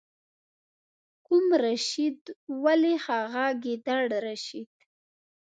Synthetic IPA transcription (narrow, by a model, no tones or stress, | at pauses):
kumɾaʃid̪walexaɣaɡed̪aɽɾaʃid̪̥